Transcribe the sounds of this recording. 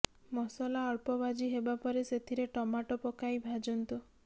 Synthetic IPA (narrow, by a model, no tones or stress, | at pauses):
mɔsɔlaːɭpɔbad͡ʒiɦebapɔɾeset̪ʰiɾeʈɔmaʈɔpɔkajbʱad͡ʒɔnt̪u